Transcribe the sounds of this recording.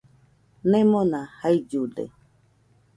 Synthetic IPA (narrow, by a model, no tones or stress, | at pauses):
nɛ̃mɔnahaid͡ʒuɖḛ